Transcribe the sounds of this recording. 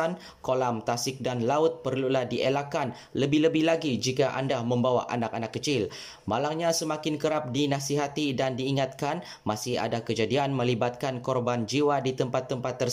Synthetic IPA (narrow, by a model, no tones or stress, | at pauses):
an | kolamt̪asɪk̚danlaʊt̪̚pərlulahdiʔelakan | ləbɪhləbɪhlaɡid͡ʒikaʔa̰ndamə̃mbawaʔa̰nakanakːət͡ʃɪl | malaŋɲasəmakɪnkəɾap̚dinasiɦat̪idandiːŋat̪̚kan | masɪha̰dakəd͡ʒadianmə̃libat̪̚kankɔrband͡ʒiwadit̪əmpat̪ːəmpat̪ːər